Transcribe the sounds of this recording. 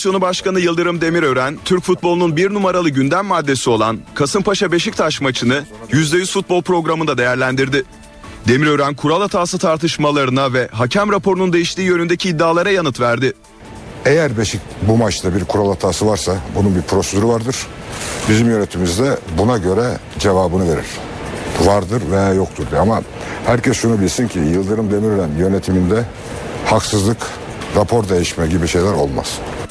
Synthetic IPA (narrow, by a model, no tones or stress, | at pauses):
sjo̞nubaʃkanɯjɯlˠd̪ɯɾɯmd̪e̞miɾø̞ɾænt̪ʰyɾcfut̪̚bo̞lˠununbiɾnumaɾalˠɯɟynd̪æmːad̪ːe̞sio̞lˠankʰasɯmpʰaʃabe̞ʃic̚t̪ʰaʃmat͡ʃʰɯnɯjyzd̪ʲejysfut̪̚bolˠpʰɾo̞ɡɾamɯnd̪ad̪e̞jæɾlʲænd̪iɾd̪ɪ | d̪e̞miɾø̞ɾænkʰuɾalˠat̪ʰaːsɯt̪ʰaɾt̪ʰɯʃmalˠaɾɯnavɛɦacʰæmɾapʰo̞ɾunund̪e̞jiʃt̪iːjø̞nynd̪ecʰiːd̪ːaːlˠaɾajanɯt̪væɾd̪ɪ | ejæɾbe̞ʃic̚bumat͡ʃt̪abiɾkʰuɾalˠat̪ʰaːsɯvaɾsabununbiɾpʰɾo̞sed̪yɾivaɾd̪ɯɾ̥ | bizimjø̞net̪ʰimizd̪ɛbunaɟø̞ɾɛ | d͡ʒe̞vaːbɯnɯve̞ɾḭɾ̥ | vaɾd̪ɯɾvejaːjokt̪ʰuɾd̪uama | hæɾcʰɛsʃunubilʲsincʰijɯlˠd̪ɯɾɯmd̪e̞miɾyɾænjø̞ne̞t̪ʰimind̪ɛ | haksɯzlˠɯk | ɾapʰo̞ɾd̪e̞jiʃmɛɟibiʃe̞jlʲæɾo̞̰lˠma̰z̥